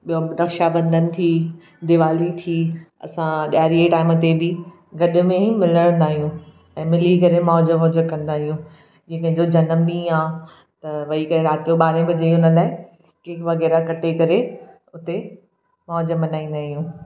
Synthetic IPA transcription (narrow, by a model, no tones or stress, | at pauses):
ɓijoɾɐkʃabɐ̃nd̪ʱənɪ̆t̪ʰiː | d̪ɪʋaːlit̪ʰiːɐ̰sãɗaːɾieʈaːɪmət̪ebɪ | ɡɐɗʊ̆mẽimɪləɽ̃ə̃nd̪aːɦijũ | ɛ̃ːmɪlikɐɾemɔːd͡ʑəʊd͡ʑəkɐ̃nd̪aːɦijũ | d͡ʑeːkɐ̃ɦɪ̃ɲd͡ʑod͡ʑɐnəmɗĩːãː | t̪ɐʋɐikɐɾeɾaːt̪ijoɓaːɾẽbɪd͡ʑeionəlaːɪ | keːkʋɐɣɛːɾakɐʈekɐɾe | ʊt̪e | mɔːd͡ʑəmɐnaːĩːnd̪aːɦijũː